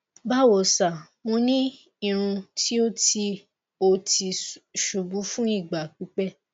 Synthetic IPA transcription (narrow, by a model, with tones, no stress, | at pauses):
ba˦˨wo˨sa˨ | mõ˧nĩ˦ | i˦˧˨ɾ̃ũ˧tʰi˦o˦ti˧ | o˧ti˧ʃu˨bu˨˦fũ˦i˦˨ɡ͡ba˨k͡pi˨˦k͡pɛ˦